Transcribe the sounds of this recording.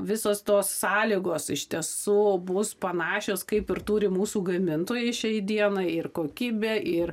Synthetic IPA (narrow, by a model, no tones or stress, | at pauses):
ʋʲɪsoːst̪oːsːɑːlʲiːɡoːsɪʃʲt̪ʲiɛsuːbʊspɐnɑːʃʲoːskɐɪpɪrt̪uːɾʲɪmuːsuːɡɐmʲɪnt̪oːjɛɪʃʲɛɪd̪ʲiɛnɐɪɪrkoːkʲiːbʲeːʔɪr